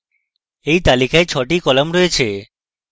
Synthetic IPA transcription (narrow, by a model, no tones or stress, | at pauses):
ejt̪alikaet͡ɕʰɔʈikɔlamɾoet͡ɕʰe